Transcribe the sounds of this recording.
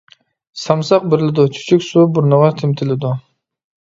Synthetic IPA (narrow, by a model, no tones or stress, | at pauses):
sɑmsɑq̚bɪɾlɪd̪ʊt͡ʃʰy̥t͡ʃʰykʲsubʊɾnɑʁɑt̪ʰɪmt̪ʰɪlɪd̪ʊ